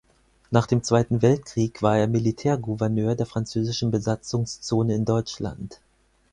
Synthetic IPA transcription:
naːχd̥eːmt͡sv̥aɪtn̩vɛlt̚kʁ̥iːkv̥aːɐeːɐmilitʰɛːɐɡuvɛɐnøːɐdeːɐfʁ̥ant͡søːzɪʃn̩bəzat͡sʊŋst͡soːnəɪndɔʏt͡ʃla̰nt

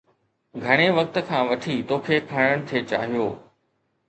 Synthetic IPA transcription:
ɡʱɐɽ̃eʋɐk̚t̪ə̆kʰãːʋɐʈʰit̪oːkʰeːkʰaɽ̃əɽ̃t̪ʰeːt͡ɕa̰ːɦijoː

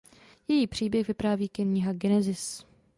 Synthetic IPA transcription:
jɛjiːpr̝̥iːbjɛxvɪpɾaːviːkɪɲɪɦaɡɛnɛzɪs

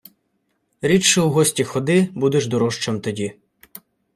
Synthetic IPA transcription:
ɾʲit͡ʃɛuɦɔsʲtʲixɔd̪ɪbud̪eʒd̪ɔɾɔʃt͡ʃemt̪ɔdʲi

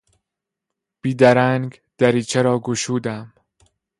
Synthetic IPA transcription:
b̥iːd̪æɾæŋɡ | d̪̥æɾiːt͡ʃʰeɾɒːɡoʃuːd̪æm

